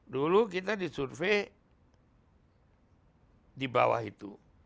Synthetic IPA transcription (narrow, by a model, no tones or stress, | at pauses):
dulukit̪adisurfe | diba̰wa̰hit̪ṵ